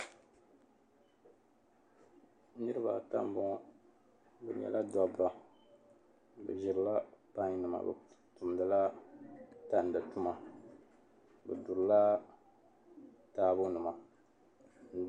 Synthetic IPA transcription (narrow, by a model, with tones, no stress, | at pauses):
nɨ˦ɾɨ˦ba˨ta˦m˦bɔ˦ɔ˦ | bɛ˨ɲɛ̰˨lʔa˦dɔ˦ba˨˦ | bɨ̰˨ʒi˨ɾɨ˨la˦pa˦ɲ˦nɨ˨ma̰˨bɛ̰˨ | tu˨m˨˦dɨ˨la˦ | ta˦n̩˨dɨ˨tu˦ma˨ | bɛ˨du˨ɾla˦ | taː˦bʊ˦nɨ˨ma˨